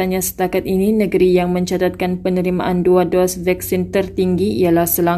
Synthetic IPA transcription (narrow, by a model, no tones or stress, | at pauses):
aɲãsə̥t̪akat̪ininə̃ɡəɾijaŋmə̃ɲt͡ʃat̪at̪̚kanpənəɾima̰ʔanduadɔsvɛk̚sint̪ərt̪iŋɡiijalahsəla